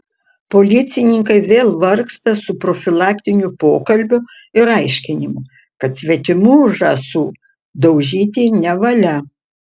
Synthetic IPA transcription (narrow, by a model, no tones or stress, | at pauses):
poːlʲɪt̪sʲɪnʲɪŋkɐɪʋʲeːlˠʋɐɾkst̪ɐsʊpɾoːfʲɪlˠɑːkʲt̪ʲɪnʲʊpoːkɐlʲbʲʊ | ɪɾɐɪʃʲkʲɪnʲɪmʊ | kɐt̪sʲʋʲɛt̪ʲɪmuːʒɑsuː | d̪ɐʊʒʲiːt̪ʲiːnʲɛʋɐlʲɛ